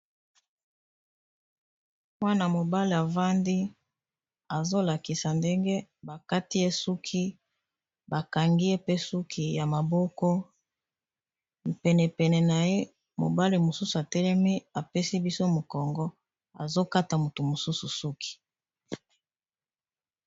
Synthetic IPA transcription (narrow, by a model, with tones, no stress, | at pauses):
mwa˦na˨mo˨ba˦li˨a˨va˦ndi˦ | a˨zo˦la˨ki˨sa˨nde˦ŋɡe˦ba˨ka˦ti˦je˦su˦kʰi˦ | ba˨ka˨ŋɡi˦je˦pe˦su˦kʰi˨ja˨ma˨bɔ˦kɔ˦˨ | pɛ˨nɛ˨pɛ˨nɛ˨na˨je˦ | mo̰˨ba˦li˨mo˨su˦su˨a˨tɛ˦lɛ˦mi˦a˨pe˦si˦bi˦so˦mo˨kɔ˨ŋɡɔ˦ | a̰˨zo˦ka˦ta˨mo˨tu˨mo˨su˦su˨su˦kʰi̥˨